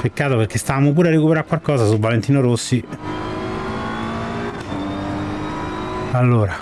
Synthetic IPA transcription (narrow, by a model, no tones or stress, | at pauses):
pekːaːt̪operk̟ːest̪avaːmop̬uːɾearːekupeɾaɾkːwalkɔːzasuvːalent̪iːnoɾosːi | alːoːɾa